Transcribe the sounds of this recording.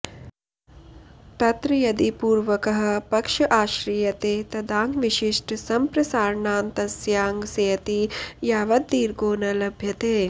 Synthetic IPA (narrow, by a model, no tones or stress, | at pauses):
t̪ɐt̪ɾɐjɐd̪ipuːɾʋɐkɐɦɐ̆pɐkʂɐʔaːʃɾijɐt̪eːt̪ɐd̪aːŋɡʋiʃiʂʈɐsɐmpɾɐsaːɾɐɳaːnt̪ɐsjaːŋɡsɐːɐt̪ijaːʋɐd̪̚ːiːɾɡoːnɐlɐbʱjɐt̪eː